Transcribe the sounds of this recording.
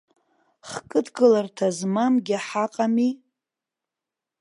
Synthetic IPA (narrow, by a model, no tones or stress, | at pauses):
χkʼɨdʰɡɨlartʰazmamɡʲɪaħaqʼami